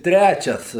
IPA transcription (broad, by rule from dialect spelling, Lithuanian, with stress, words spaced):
ˈtʲrʲæt͡ʃʲɛs